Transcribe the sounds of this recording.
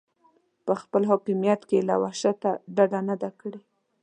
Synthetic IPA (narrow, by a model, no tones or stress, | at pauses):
pəxpəlɦɑkɪmijat̪kela̰waʃat̪aɖad̪anad̪akəɽe